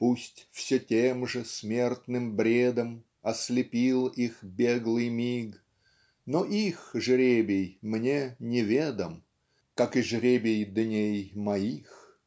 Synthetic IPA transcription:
pusʲtʲfsʲetʲemʐɨsmʲe̞rt̪nɨmbɾʲed̪əm | ɐslʲɪpʲilˠixbʲeɡlˠɨjmʲiɡ | noʔixʐɾʲebʲɪjmnʲenʲɪvʲed̪əm | kakɨʐɾʲebʲɪjd̪nʲejmɐix

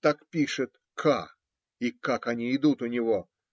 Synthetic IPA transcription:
t̪akpʲiʂɨt̪ | kʰa̰ | ikakɐnʲiɪd̪ut̪ʊnʲɪvo̞

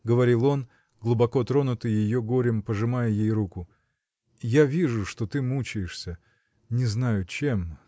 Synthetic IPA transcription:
ɡəvɐɾʲilˠo̞n | ɡlˠʊbɐko̞t̪ɾo̞nʊt̪ɨjjɪjo̞ɡoɾʲɪmpəʐɨmajəjejrukʊ | javʲiʐʊʂt̪o̞t̪ɨmut͡ɕɪjɪʂsʲə | nʲɪznajʊt͡ɕe̞m

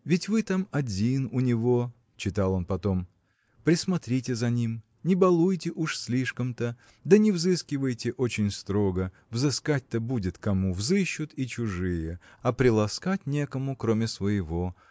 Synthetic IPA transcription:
vʲɪtʲvɨt̪amɐdʲinʊnʲɪvo̞ | t͡ɕɪt̪alˠo̞npɐt̪o̞m | pɾʲɪsmɐt̪ɾʲitʲɪzɐnʲim | nʲɪbɐlˠujtʲɪʔuʂsʲlʲiʂkəmt̪ə | d̪ənʲɪvzɨskʲɪvəjtʲɪʔot͡ɕɪnʲst̪ɾo̞ɡə | vzɨskat̚ʲt̪əbudʲɪt̪kɐmuvzɨɕːʊt̪it͡ɕʊʐɨjə | ɐpɾʲɪlˠɐskatʲnʲe̞kəmʊkɾomʲɪsvəjɪvo

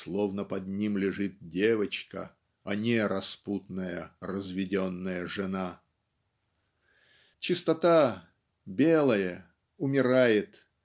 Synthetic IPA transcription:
slˠovnəpɐd̪nʲimlʲɪʐɨt̪̚dʲevət͡ɕkə̰ | ɐnʲeɾɐsput̪nəjərəzvʲɪdʲonːəjəʐɨna | t͡ɕɪst̪ɐt̪a | bʲelˠəjə | ʊmʲɪɾajɪt̪

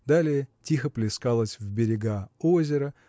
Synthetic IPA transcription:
d̪alʲɪjətʲixəplʲɪskalˠəsʲvbʲɪɾʲɪɡaozʲɪɾə

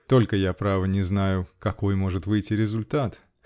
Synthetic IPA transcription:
t̪o̞lʲkəjapɾavənʲɪznajʊkɐko̞jmo̞ʐɨt̪vɨjtʲːɪɾʲɪzʊlʲt̪at̪

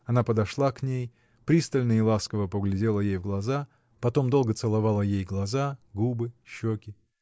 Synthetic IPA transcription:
ɐnapəd̪ɐʂlˠaknʲej | pɾʲist̪əlʲnəɪlˠaskəvəpəɡlʲɪdʲelˠəjejvɡlˠɐza | pɐt̪o̞md̪o̞lˠɡət̪sɨlˠɐvalˠəjejɡlˠɐzaɡubɨɕːokʲɪ

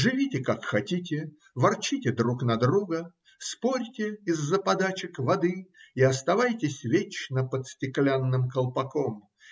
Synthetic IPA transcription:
ʐɨvʲitʲɪkakxɐtʲit̬ʲɪ | vɐrt͡ɕitʲɪd̪ɾuknɐd̪ɾuɡə | spoɾʲtʲɪɪzːəpɐd̪at͡ɕɪkvɐd̪ɨiɐst̪ɐvajtʲɪsʲvʲet͡ɕnəpət̪sʲtʲɪklʲanːɨmkəlˠpɐkom

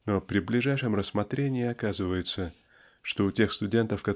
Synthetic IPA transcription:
no̞pɾʲɪblʲɪʐajʂɨmrəsːmɐt̪ɾʲenʲɪːɐkazɨvəjɪt̪sə | ʂt̪o̞ʊtʲe̞xst̪ʊdʲe̞nt̪əfkɐt

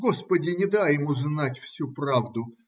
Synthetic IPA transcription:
ɡospədʲɪnʲɪd̪ajɪmuznatʲfsʲupravd̪ʊ

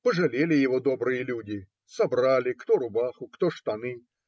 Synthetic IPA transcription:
pəʐɐlʲelʲɪjɪvɔd̪obɾɨjəlʲudʲɪ | sɐbɾalʲɪkt̪ɔɾʊbaxʊkt̪ɔʂt̪anɨ

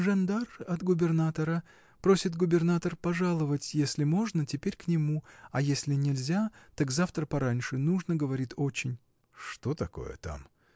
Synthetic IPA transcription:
ʐɐnd̪arɐt̪ɡʊbʲɪrnat̪əɾə | pɾo̞sʲɪt̪ɡʊbʲɪrnat̪ərpɐʐalˠəvətʲjesʲlʲɪmo̞ʐnətʲɪpʲeɾʲknʲɪmuɐjesʲlʲɪnʲɪlʲzʲat̪akzaft̪ɾəpɐɾanʲʂɨnuʐnəɡəvɐɾʲit̪o̞t͡ɕɪnʲ | ʂt̪o̞t̪ɐko̞̰jə̰t̪a̰m

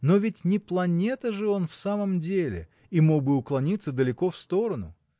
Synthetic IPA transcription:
no̞vʲɪtʲnʲɪplˠɐnʲe̞t̪əʐɨo̞nfsaməmdʲelʲɪ̰ | imo̞ɡbɨʊklˠɐnʲit̪sːəd̪əlʲɪko̞fst̪o̞ɾənʊ̰

